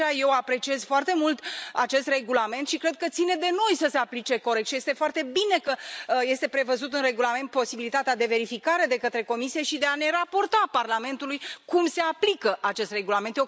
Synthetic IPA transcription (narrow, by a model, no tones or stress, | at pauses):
aje̞wapɾe̞t͡ʃie̞z̥foart̪e̞mult̪at͡ʃe̞st̪re̞ɡulame̞nt̪ʃikɾe̞d̪̚kət̪sine̞d̪e̞no̞jsəse̞aplit͡ʃe̞ko̞ɾek̚t̪ʃije̞st̪e̞foart̪e̞bine̞kəje̞st̪e̞pɾe̞vəzut̪ɨnre̞ɡulame̞nt̪̚po̞sibilit̪at̪ead̪e̞ve̞ɾifikaɾe̞d̪e̞kət̪ɾe̞ko̞misijeʃid̪e̞ane̞ɾapo̞rt̪aparlame̞nt̪ulujkumse̞aplikəʔat͡ʃe̞st̪re̞ɡulament̪je